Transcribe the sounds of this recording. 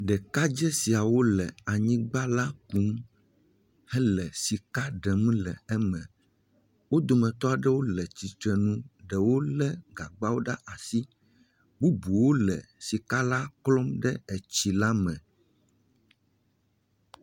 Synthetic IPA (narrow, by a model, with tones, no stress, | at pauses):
ɖɛ˨ka˦d͡ʒɛ˦si˨a˨wo˦lɛ˨a˨ɲĩ˦ɡ͡ba˦la˦ku˨˦m | hɛ˦lɛ˨si˨ka˦ɖɛ˨mũ˦lɛ˨ɛ˦mɛ̃˨ | wo˦d̪o˨mɛ̃˨t̪ɔ˦a˨ɖɛ˦wo˦lɛ˨t͡ɕi˨t̪ɾɛ˨nũ˦ɖɛ˨wo˦lɛ˦ɡa˨ɡ͡ba˦wo˦ɖa˦ʔa˨si˦ | bu˦bu˨wo˦lɛ˨si˨ka˦la˦klɔ˦mɖɛ˦ɛ˨t͡ɕi˨la˦mɛ̃˨